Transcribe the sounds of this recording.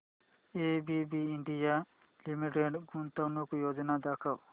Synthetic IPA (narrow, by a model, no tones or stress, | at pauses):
ebibiːɳɖija | limiʈeɖɡunt̪awnokujod͡ʒɔnad̪akʰaw